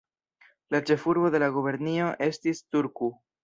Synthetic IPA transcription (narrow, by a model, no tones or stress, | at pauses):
lat͡ʃe̞fuɾbo̞de̞laɡuβe̞ɾnio̞ʔe̞stistuɾku